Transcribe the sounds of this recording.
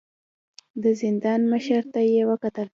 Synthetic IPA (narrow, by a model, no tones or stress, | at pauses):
d̪əzɪnd̪ɑnməʃəɾt̪ajewəkat̪əl